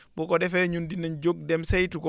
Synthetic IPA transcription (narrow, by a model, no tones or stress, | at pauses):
bɔkɔɗɛfɛɲundinand͡ʒoɡ̚dɛmsajtukɔ